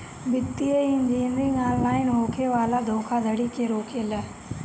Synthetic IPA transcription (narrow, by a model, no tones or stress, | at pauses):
bɪt̪ːieɪnd͡ʒiːnɾĩŋãːnlaːɪnɦoːkʰeʋaːlad̪ʱoːkʰad̪ʱəɽikʰeːɾoːkʰeːlaː